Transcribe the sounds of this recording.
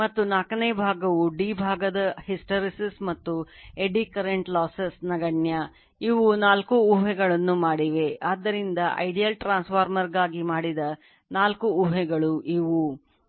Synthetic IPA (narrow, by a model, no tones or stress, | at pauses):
mɐt̪ːunaːkɐnebʱaːɡɐʋuɖiːbʱaːɡɐd̪ɐhisʈɐɾisismɐt̪ːueɖikɐɾeɳʈlaːsɐsnɐɡɐɳja | iʋunaːlkuːɦɛɡɐɭɐnːumaːɽiʋe̞aːd̪ːɐɾind̪ɐʔɐ̰jɖijɐlʈɾaːnspaːɾmɐɾɡaːɡimaːɽid̪ɐ | naːlkuuɦɛɡɐɭuʔiʋu